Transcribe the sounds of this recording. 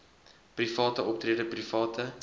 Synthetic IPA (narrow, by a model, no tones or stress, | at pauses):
prifɑːtəʔɔp̚triədəprifɑːtʰə